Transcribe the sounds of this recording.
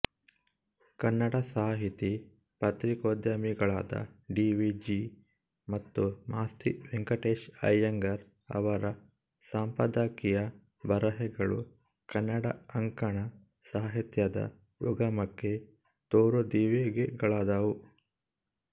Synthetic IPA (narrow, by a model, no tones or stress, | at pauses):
kɐnːɐɽɐsaːɦit̪i | pɐt̪ɾikoːd̪jɐmiɡɐɭa̰ːd̪ɐ̰ɖiːʋid͡ʒi | mɐt̪ːumaːst̪iʋeŋkɐʈeːʃɐ̰jːɐŋɡɐɾ | ɐ̰ʋɐɾɐ | saːmpɐd̪aːkijɐ | bɐɾɐɦɛɡɐɭṵ | kɐnːɐɽɐ̰ɐŋkɐɳɐ | saːɦit̪jɐd̪ɐ̰ | jṵɡɐmɐkːe | t̪oːɾod̪iːʋeɡeɡɐɭaːd̪ɐʋu